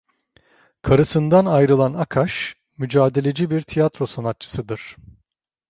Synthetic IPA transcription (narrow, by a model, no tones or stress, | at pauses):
kʰaɾɯsɯnd̪anajɾɯlˠanakʰaʃ | myd͡ʒaːd̪e̞lʲe̞d͡ʒibiɾt̪ʰijat̪ɾo̞sanat̪̚t͡ʃʰɯ̥sɯd̪ɯɾ̥